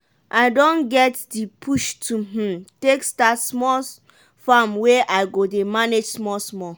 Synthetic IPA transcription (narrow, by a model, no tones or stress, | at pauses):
ʔaɪdõnɡɛtdipʰuʃtʰum̩tekstatsmɔl | fãmweʔaɪɡodemaned͡ʒsmɔsmɔ